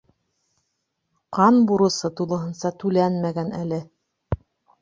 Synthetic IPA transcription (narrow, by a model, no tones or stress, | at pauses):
qɑnbuɾɤ̆sɤt̪ulˠɤ̆ɦɤ̆nsɑt̪ʉlænmæɡænælɘ